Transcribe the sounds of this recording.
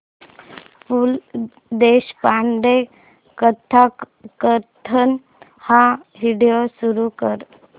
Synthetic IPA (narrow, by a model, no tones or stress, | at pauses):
ful | d̪eɕpaɳɖ̪e | kət̪ʰa | kət̪ʰən | haʋiɽijosuɾukəɾ